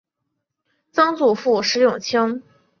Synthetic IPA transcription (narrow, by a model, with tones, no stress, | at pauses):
t͡sɤ˥ŋt͡su˨˩fu˥˩ʂɻ̩˧˥jʊ˥˨˩ŋt͡ɕʰi˥ŋ